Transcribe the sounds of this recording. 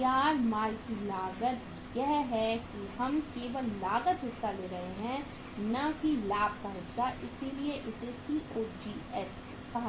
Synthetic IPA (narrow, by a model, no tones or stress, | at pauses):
aːɾmaːlkilaːɡət̪ | jɛɦɦɛkiɦɐmkeːʋəlːaːɡət̪ɦɪsːaleːɾɐɦeɦɛ̃ | nɐɦilaːb̚kaɦɪsːaʔɪsilieʔɪsesiʔoːd͡ʒiːɛs | pɐ